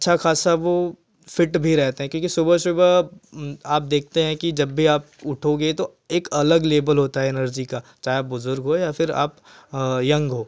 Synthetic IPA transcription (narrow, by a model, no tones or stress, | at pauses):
ɐtːʃʰaxaːsaʋo | fɪʈbʱiɾɛɦt̪eɦɛ̃kjõːkisʊbəʃʊb | aːp̚d̪eːk̚ʰt̪eɦɛ̃kid͡ʒɐbːʱiaːp̚ʊʈʰoɡet̪o | eːkɐləɡleːbəlɦoːt̪aɦɛɪnəɾd͡ʒikat͡ʃaːɦeaːp̚bʊzʊɾɡɦojafʰɪɾa̰ːp | jɐ̃ŋɡɦoː